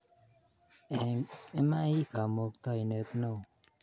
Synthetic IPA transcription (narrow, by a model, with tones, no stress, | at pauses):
e˦ma˦i˦ka˨mo˧kt̪a˦i˨ne˨t̪na˦˨